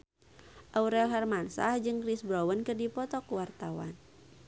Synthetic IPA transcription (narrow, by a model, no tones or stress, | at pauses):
ʔauɾɛlɦɛrmansa̰hd͡ʒɨŋkɾisbɾɔwənkɨrdipɔt̪ɔkuwart̪awa̰n